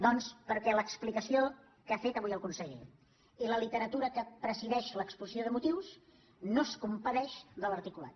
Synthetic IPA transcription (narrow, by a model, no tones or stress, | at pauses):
d̪ɔnspəɾkɛləksplikəsio | kafet̪əβujəlˠkunsɛʎ | iləlit̪əɾət̪uɾəkəpɾəziðɛʃləkspusioðəmut̪iws | noskumpəðɛʃd̪ələɾt̪ikula̰t̪̚